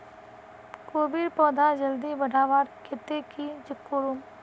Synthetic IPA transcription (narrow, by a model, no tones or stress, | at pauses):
koːbiɖpɔːd̪ʱad͡ʒəld̪ibəɽʱaːʋaːɾkʰet̪ekid͡ʒɪkːoːɾum